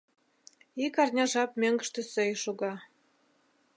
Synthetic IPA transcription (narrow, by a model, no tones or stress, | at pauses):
ikɑrnʲɑʒɑp̚mʲøŋɡə̆ʃt̪ĕsɘjʃuɣɑ